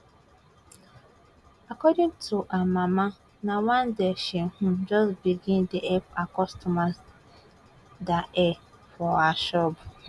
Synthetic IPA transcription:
akɔdĩŋtʰuʔamãma | nawãndeʃɛ̃hũd͡ʒɔsbiɡĩndiʔɛpakɔstʰɔmas | daʔɛ | fɔaʃɔb

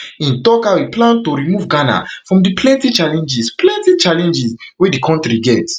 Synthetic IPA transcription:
ĩntɔkawiplãntoɹimuvɡana̰fɹɔ̃mdipʰlɛ̃ntit͡ʃalɛ̃nd͡ʒisplɛ̃ntit͡ʃalɛ̃nd͡ʒiswedikʰɔ̃ntɹiɡɛt

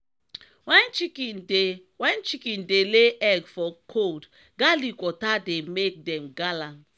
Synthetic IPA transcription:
wɛnt͡ʃikɛe | wɛ̃nt͡ʃikɛ̃ndeleʔɛɡfɔkʰold | ɡalikwɔtademek̚dɛ̃mɡalãnt

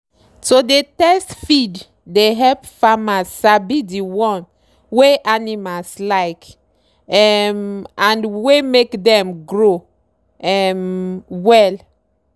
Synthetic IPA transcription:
sodetɛstfid | deɦɛlpfamasabidiwɔ̃n | weʔanimalslaɪk | ɛmãnwemekdɛ̃mɡɹo | ɛmwɛl

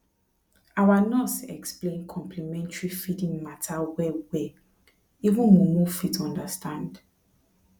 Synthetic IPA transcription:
awanɔsɛ̰ksplẽnkʰɔ̃mplimɛ̃ntɹifidĩŋmatʰawɛwɛ | ivũnmumufitɔ̃ndastʰãnd

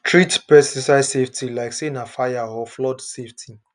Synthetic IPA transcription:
tʰɹitpɛstisaɪzseftʰilaɪksenafajahɔflɔdseftʰi

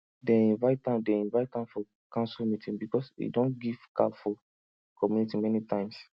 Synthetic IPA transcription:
dɛ̃ĩnvaɪtãdɛ̃ĩnvaɪtãmfɔ | kãnsɛlmitĩnbikɔsḭdõnɡiv̥ka̰fɔ | kɔmjunitĩmɛnitãɪ̃ms

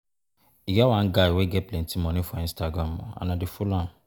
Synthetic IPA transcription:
iɡɛwãn̩ɡaiweɡɛplɛ̃ntʰĩmɔ̃nɪ̃fɔĩnstaɡɾãmːɔ̰̃ã̰nãdifulãn

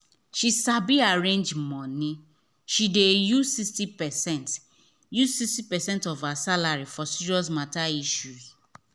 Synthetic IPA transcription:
ʃisabiaɹẽnd͡ʒmɔ̃nĩ | ʃidejuzsistipɛsɛ̃nt | juzsistipɛsɛ̃ntɔfasalaɹifɔsiɹiɔs̬mataiʃuz

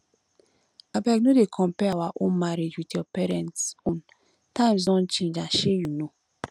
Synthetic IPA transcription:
abaknodekʰɔ̃mpɛawaʔõnmaɾed͡ʒwitjɔpɛɾɛ̃ntõn | tãɪ̃mzɔ̃nt͡ʃẽnd͡ʒaʃejuno

